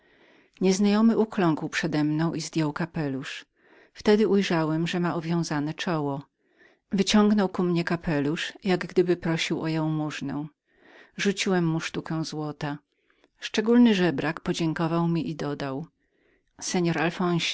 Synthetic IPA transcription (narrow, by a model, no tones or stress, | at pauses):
ɲɛznajɔmɘʔuklɔ̃ŋkwpʂɛd̪ɛmnɔ̃w̃ʔizd̪ʲjɔwkapɛluʂ | ft̪ɛd̪ɘʔujʐawɛmʐɛmaʔɔvʲjɔ̃w̃zanɛt͡ʂɔwɔ | vɘt͡ɕɔŋɡnɔwkumɲɛkapʰɛluʂjaɡɡd̪ɘbɘpɾɔɕiwɔjɔ̃w̃muʐnɛ̃ | ʐut͡ɕiwɛmːuʂt̪ukɛw̃zwɔt̪a | ʂt͡ʂɛɡulnɘʐɛbɾakpɔd͡ʑɛŋkɔvawmʲiʔid̪ɔd̪aw | sɛɲɔɾalfɔ̃w̃ɕ